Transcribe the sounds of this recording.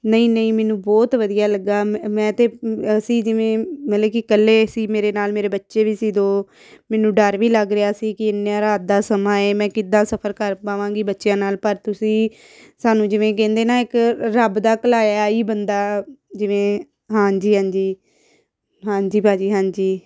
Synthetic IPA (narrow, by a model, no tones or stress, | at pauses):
nəĩːnəĩːmɛːnũːbɔːt̪ʋəd̪ijaːləɡaːmɛ̃ːt̪eːəsĩːd͡ʒɪʋẽːmət̪ləbkɪkəlːeːəsiːmeːɾeːnaːlmeːɾeːbətːʃeːʋiːsiːd̪oː | mɛːnũːɖəɾʋiːləɡɾɪjaːsiːkɪɪnːãːɾaːd̪aːsəmãːeːmɛ̃ːkɪd̪ãːsəpʰəɾkəɾpaːʋãːɡiːbətːʃjãːnaːlpəɾt̪ʊsĩː | saːnũːd͡ʒɪʋẽːk̬ɛ̃ːnd̪eːnaːɪkɾəbd̪aːkəlaːjaːiːbənd̪aːd͡ʒɪʋẽː | ɦãːɲd͡ʒiːɦãːd͡ʒiː | ɦãːɲd͡ʒiːpaːd͡ʒiːɦãːɲd͡ʒiː